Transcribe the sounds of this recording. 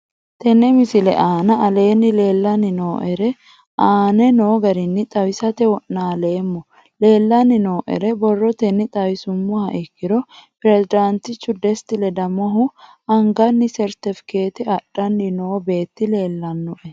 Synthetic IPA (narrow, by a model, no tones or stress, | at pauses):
t̪ɛnɛmɪsɪlɛ̰ʔaːnɐɐle̞ːnːɪle̞ːlːɐnɪno̞ːʔɛɾɛ | ʔaːnɛno̞ːɡɐɾɪnːɪt̪ʼɐwɪsɐt̪ɛwɔʔnaːle̞ːmːɔ | le̞ːlːɐnːɪno̞ːʔɛ̰ɾɛbɔrːɔt̪ɛnːɪt̪ʼɐwɪsʊmːɔhɐʔɛkːɪɾɔpɪɾɛsɪd̪ɐnt̪ɪt͡ʃːʊd̪ɛst̪ɪlɛd̪ɐmɔɦʊ | ɐŋɡɐnːɪsɛɾt̪ɪfɪ̥keːt̪ɪɐɗːɐnːɪnoːbe̞ːt̪ːɪle̞ːlːɐnːɔʔɛ